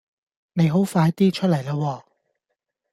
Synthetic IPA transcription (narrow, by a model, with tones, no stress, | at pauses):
ne˨˧jɦo˨˥wfaː˧jt̪iː˥t͡ʃʰɵ˥t̚lɐ˨˩jlaː˧wɔː˧